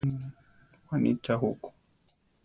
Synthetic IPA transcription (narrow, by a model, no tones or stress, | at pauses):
wanḭt͡ʃaɦuku̥